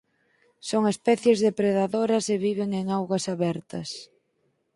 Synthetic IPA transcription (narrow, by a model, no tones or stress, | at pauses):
soŋespɛθjezðepɾeðaðoɾɐseβiβeŋeŋawɣwɐsaβɛɾt̪ɐs